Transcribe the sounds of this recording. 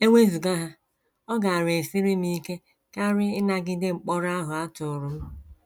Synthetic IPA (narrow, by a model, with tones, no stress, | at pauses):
e˦ŋʷe˦zu˨ɡa˦ɦa˦ | ɔ˦ɡa˨a˨ɾe˨si˦ɾi˦mi˦ke˦ | ka˦ɾɪ˦ɪ˦na˦ɡɪ˦dɪ˦ŋ͡m̩˨k͡pɔ˦ɾa˦ɦʊ˨a˦tʊ˨ɾʊ˦m̩˦